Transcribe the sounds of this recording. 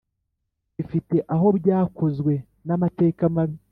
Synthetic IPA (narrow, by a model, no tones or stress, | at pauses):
ifite̞ʔaɦo̞bjaːko̞zɡwe̞ | namate̞ːkamaβi